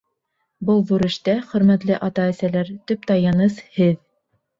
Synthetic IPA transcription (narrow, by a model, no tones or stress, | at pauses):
bɤlˠðuɾɘ̆ʃt̪æχɵ̆ɾmæt̪lɘʔɑt̪ɑæsælæɾt̪ɵp̚t̪ɑjɑnɤshɘð